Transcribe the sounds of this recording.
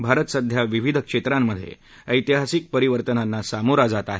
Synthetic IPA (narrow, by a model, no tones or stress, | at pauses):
bʱaɾət̪əsəd̪ʱjaʋiʋid̪ʱəkʂet̪ɾamːəd̪ʱːjḛ | əjt̪iɦasik̚pəɾiʋəɾt̪ənanːasamoɾad͡zat̪aɦe